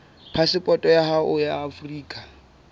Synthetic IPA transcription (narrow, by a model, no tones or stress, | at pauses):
pʰasɪpʼɔtʼɔjahaʔʊjaːfriːkʼa